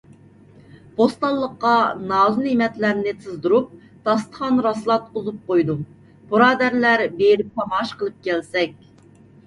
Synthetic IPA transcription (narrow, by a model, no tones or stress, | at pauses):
b̥ost̪ɑlˠːəqːɑnɑːzunimɛt̪læɾnɪt̪ʰɨzd̪uɾup̚ | t̪ʰɑst̪ə̥χɑnɾɑslˠɑt̪̚qozup̚qojd̪u | b̥uɾɑːd̪æɾlæɾbeɾɪp̚pɑmɑʃqəlˠɨp̚kʲɛlsɛk̚ʲ